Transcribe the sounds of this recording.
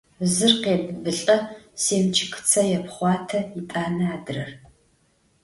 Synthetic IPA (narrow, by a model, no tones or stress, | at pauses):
zɨrqeːbbɨɬʼɐseːmt͡ʃʰɪkʰɨ̥t͡sʰɐjɛpχʷɑːtʰɐitʼaːnɐaːdɨrɐr